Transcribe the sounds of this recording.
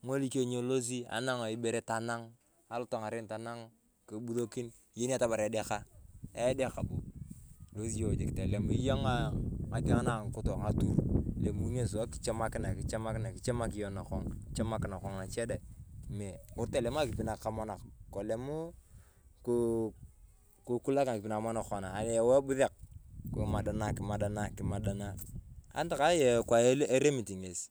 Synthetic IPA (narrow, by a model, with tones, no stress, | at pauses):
ŋo˦li˦ke˦˨ɲo˦lo˦z̬i˦a̰˨˦na˦ŋa˨i˦be˨˦ɾe˦ta˨na˦ŋ | a˨lu˦to˨ŋa˨ɾe˦nta˨na˦ŋ | ko˨bu˦do˦ki˦n˦ | je˦ni˦a˦ta˦ba˨ɾe˨˦de˦ka˦e˦de˦ka˨bo˨lo˦si˦jo˨d͡ʒe˨ki̥˨te˨le˨m˨i˦jo˦ŋa˦a˨ti˦ŋa˦na˨ŋ˨ku˦to˨ŋa˨tu˦ɾle˨mu˨˦ɲe˦˨s̬a˦ki̥˨t͡ʃe˦ma˦kɪ˦na˨ki˨t͡ʃe˦ma˦kɪ˦na˨ki˨t͡ʃe˦ma˦ki˨jo˦na˨kɔ˦ŋ˨t͡ʃe˦ma˦kɪ˦na˨kɔ˨ŋna˨t͡ʃe˦da˨me˨u˦ɾte˦˨le˨m˦a˦˨ki˨pi˨na˨ka˦mo˦na˨kko˨le˨mu˦ | ku˦ | ku˨ku˦la˦ka˨ki˨pi˨na˨ma˦no˨ko˨naː˨n˨je˨we˦bu˦ðe˨k̚ku˨ma˨da˨na˦˨ki˨ma˨da˨na˦ki˨ma˨da˨na˦a̰˦n˦ta˨ka˦je˨kwa˨˦e˦ɾe˦mi˨ti˨ŋe˨s